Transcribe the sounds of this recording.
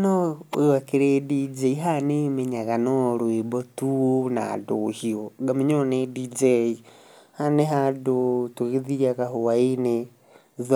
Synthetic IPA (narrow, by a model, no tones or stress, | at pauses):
nɔjwakiɾedid͡ʒeiɦanemeɲaɣanɔɾwebɔtuona̰doʃiɔɡamiɲonedid͡ʒeihaneɦadotuɣeðiaɣahowaine | ð